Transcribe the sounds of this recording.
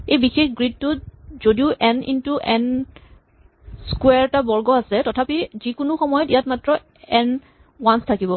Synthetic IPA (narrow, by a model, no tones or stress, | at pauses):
ejbixexɡɹid̚tʊzodiʊʔɛnḭntuʔɛn | skweɛɹtabɔɹɡɔasɛtɔtʰapizikʊnʊxɔmɔjɔtijatmatɹɔ | ɛn | wanstʰakibɔ